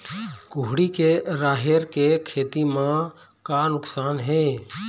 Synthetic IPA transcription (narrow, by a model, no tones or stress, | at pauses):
kʊɦɽikeɾaːɦeɾkekʰeːt̪imã | kanʊksaːnɦɛ̃ː